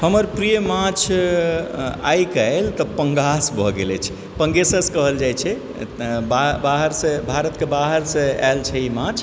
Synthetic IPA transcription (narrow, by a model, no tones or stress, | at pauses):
həməɾpɾijəmat͡ʃʰ | a̰jkaelt̪ɔpəŋɡasbʱɔɡelɛ̰t͡ʃʰɛ̥ | pəŋɡesəskəɦəld͡ʒajt͡ʃʰɛ | babaɦəɾsẽbʱaɾət̪kebaɦəɾsẽa̰lt͡ʃʰɛimat͡ʃʰ